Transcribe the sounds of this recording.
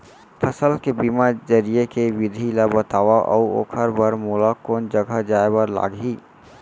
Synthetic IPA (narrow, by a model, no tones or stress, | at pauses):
pʰəsəlkebimad͡ʒəɾijekeʋɪd̪ʱilabət̪aːʋaʔɔ̰o̰ːkʰəɾbəɾmuːlakoːnd͡ʒəɡʱəd͡ʒaːebəɾla̰ːɽiː